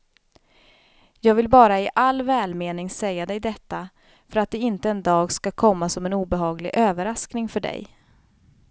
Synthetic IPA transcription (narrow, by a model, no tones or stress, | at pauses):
jɑːɡvɪlbɑːɾaɪʔalːvɛːlmeːnɪŋsɛjːad̪ɛjd̪ɛt̪ːa | fœɾat̪̚d̪ɛɪnt̪əɛnd̪ɑːɡskakʰɔmːasɔmɛnuːbɛɦɑːɡlɪ̰ɡʔøːvəɾasknɪŋfœɖɛ̰j